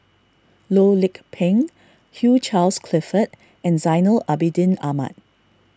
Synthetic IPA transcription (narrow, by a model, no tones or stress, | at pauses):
lolɪkpʰɛ̃ŋ | hjut͡ʃalskʰlɛfət̚ | ɛ̃nzaɪnəlabidĩnama̰t̚